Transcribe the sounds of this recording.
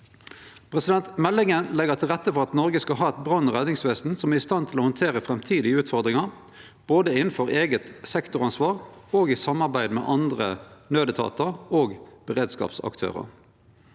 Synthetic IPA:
pʰʁɛsɪd̪ɛnt̪mɛlːɪŋənlɛɡəʁt̪ʰɪlʁɛt̪ːəfɔʁɑt̪nɔʁɡəskɑɦɑːɛt̪̚bʁɑnːʁɛd̪nɪŋsʋeːsn̩sɔmæʁɪst̪ɑnt̪ʰɪlɔhɔnt̪ʰeːʁəfʁɛmt̪ʰiːd̪ɪəʉːt̪fɔʁd̪ʁɪŋɑ | b̥oːd̪əɪnn̩fɔʁeːɡət̪sɛkt̪ʊʁɑnsʋɑːʁoːɡɪsɑmːɑʁbæɪd̪mɛ̰ːʔɑnd̪ʁənøːd̪ət̪ʰɑ̰ːt̪əʁoːɡb̥əʁeːd̪skɑ̰ːpsɑ̰kt̪ʰø̰ːʁə̰

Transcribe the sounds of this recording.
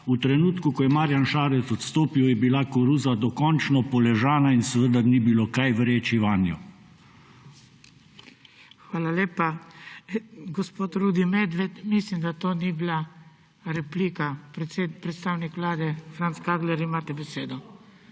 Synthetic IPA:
ut̪ɾɛnuːt̪kukɔjɛmaːɾjanʃaːɾɛt̪t͡s̪ɔt̪st̪oːpiwjɛbilakɔɾuːzad̪ɔkɔnt͡ʃnɔpɔlɛʒaːnainsɛʋəd̪anibilokajʋɾeːt͡ʃiʋanju | xʋaːlaleːpa | ɡɔspoːt̪ɾuːd̪imed̪ʋet̪mislimd̪at̪oːnibla | ɾɛpliːkapepɾɛt̪st̪aːwnikʋlaːd̪ɛfɾant̪skaːɡ̪lɛɾimaːt̪ɛbɛseːd̪ɔ

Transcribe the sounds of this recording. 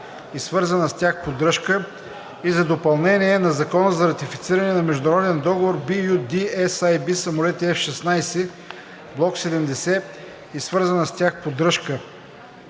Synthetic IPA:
isvɤɾzənəst̪ʲjaxpod̪ɾɤʃkə | izɐd̪opɐlˠnɛniɛnɐzɐkɔnəzɐɾɐt̪ifit̪siɾɐnɛnɐmɛʒd̪ʊnɾɔd̪ɛnd̪ɔɡovoɾbijud̪iɛsajbisɐmolɛt̪iɛfʃɛsnajsɛ | blˠɔksɛd̪ɛmd̪ɛsɛ | isvɤɾzɐnəst̪ʲjaxpod̪ɾɤʃkə

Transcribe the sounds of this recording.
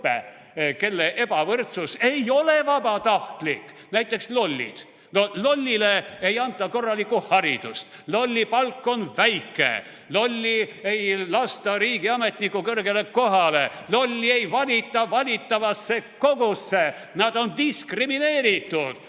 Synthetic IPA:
pḛ | ke̞lːeʔe̞bɑvɤrt̪suse̞jo̞le̞vɑbɑt̪ɑht̪likː | næjt̪ːˑe̞kslo̞lʲːḭd̪̥ | nolo̞lʲːileejɑnt̪ːˑɑko̞rːɑlikːˑuhɑɾid̪̥ṵst̪lo̞lʲːipɑlkːo̞nvæjkːˑḛ | lo̞lʲːie̞jlɑst̪ɑɾiːɡ̥iɑme̞t̪nikːˑukɤrɡeleko̞ɦɑle̞lo̞lʲːie̞jvɑlʲit̪ːˑɑvɑlʲit̪ˑːɑvɑsːeko̞ɡ̥usːe | nɑd̪̥o̞nd̪iskrimine̞ːɾit̪ːud̪̥

